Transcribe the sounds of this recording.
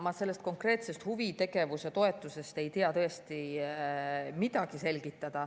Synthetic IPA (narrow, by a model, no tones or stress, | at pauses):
mɑse̞lːe̞st̪̚ko̞ŋkre̞ːt̪sest̪huvit̪e̞ɡe̞vuset̪o̞e̞t̪ːˑuse̞st̪e̞jt̪iɑt̪ɤ̞est̪i | mid̪̥ɑɡ̥ise̞lɡit̪ːˑɑd̪̥ɑ